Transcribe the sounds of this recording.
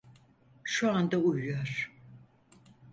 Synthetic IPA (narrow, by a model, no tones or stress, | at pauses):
ʃuand̪aujujoɾ̥